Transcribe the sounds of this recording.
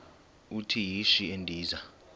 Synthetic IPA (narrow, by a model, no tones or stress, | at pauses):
utʰijiʃiendʱiːza